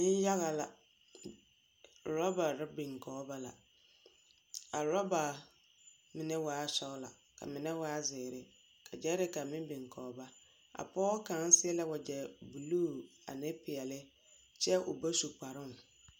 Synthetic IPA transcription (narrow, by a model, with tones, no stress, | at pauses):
nɪ˦n˦ja˦ɣa˨la˨ | ɾɔ˦ba˨ɾɪ˦bɪ˨ŋkɔː˨˦ba˦la̰˨ | a˨ɾɔ˦ba˨ | mɪ˨nɛ˦waː˨˦sɔ˦ʊ˦la̰˨ | ka̰˨mɪ˨nɛ˦waː˦zɪː˨ɾɪ˨ | kʰa˨d͡ʒɛ˦ɾɪ˦ka˨mɪ̃˦bɪ˨ŋkɔː˨˦ba˦ | a̰˨pɔː˦kaː˨˦n˦sɪ˦ɛ˦la˦wa˨d͡ʒɛ˨bu˨luː˦˨a̰˨nɛ˦pɪ˨ɛ˨lɪ˦ | t͡ʃɛ˦ʔo̰˨ba˦su˨k͡pa˨ɾʊ˦˨n